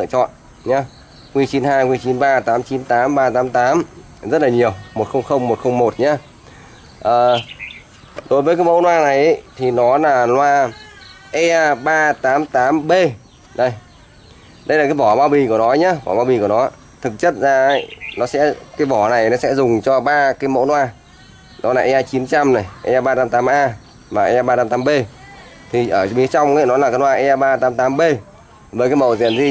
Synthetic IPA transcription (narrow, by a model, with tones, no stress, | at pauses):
ɨ̰˧˨t͡ɕɔ̰˧˨n | ɲaː˧ | ŋwi˧t͡ɕi˨˦nhaː˧jkwi˧t͡ɕi˨˦nɓaː˧t̪aː˨˦mt͡ɕi˨˦nt̪aː˨˦mɓaː˧t̪aː˨˦mt̪aː˨˦m | zə˦˥t̚laː˨˩ɲi˨˩əwmo˨˩t̚xə˧wŋ͡mxə˧wŋ͡mmo˨˩t̚xə˧wŋ͡mmo˨˩t̚ɲaː˧˦ | ʔəː˨˩ | ɗo˨˦jvəː˨˦kaː˨˦jmə̰˧˥wnwaː˧na˨˩jʔə˧˦jt̪ʰi˨˩nɔ˨˦laː˨˩lwaː˧ | ʔe˧ʔaː˧ɓaː˧t̪aː˨˦mt̪aː˨˦mɓe˧ | ɗə˧˩j | ɗə˧jlaː˨˩aː˨˦vɔ˧˩ɓaː˧wɓi˨˩ku˧˩ənɔ˨˦ɲa˨˧˦vɔ̰˧˩ɓaː˧ɓi˨˩ku˧˩ənɔ˨˦ | t̪ʰɨ˨˩k̚t͡ɕə˦˥t̚zaː˧˦jnɔ˨˦sɛ̰˧˥kaː˨˦jvɔ˧˩na˨˩jnɔ˨˦sɛ̰˧˥zʊ˨˩ŋ͡mt͡ɕɔ˧ɓaː˧kaː˨˦jmo̰˧˥nwaː˧˩ | nɔ˨˦laː˨˩ʔɛ˧ʔaː˧t͡ɕi˨˦nt͡ɕa˧mna˨˩jʔɛ˧ʔaː˧ɓaː˧t̪aː˨˦mt̪aː˨˦mʔaː˧ | maː˨˩ʔɛ˧ɓaː˧t̪aː˨˦mt̪aː˨˦mɓe˧ | t̪ʰi˨˩ʔəː˧˩ɓi˨˦t͡ɕa˧wŋ͡mʔə˧˦nɔ˨˦laː˨˩kːa˨˦nwaː˧ʔɛ˧ʔaː˧ɓaː˧t̪aː˨˦mt̪aː˨˦mɓe˧ | vəː˨˩jkaː˨˦jmə̰˧˨zḭ˧˨ənzi˧